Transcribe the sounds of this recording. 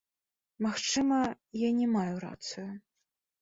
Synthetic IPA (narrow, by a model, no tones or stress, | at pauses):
maxt͡ʂɨmɐ | janʲɛmajuɾa̰t̪sɨju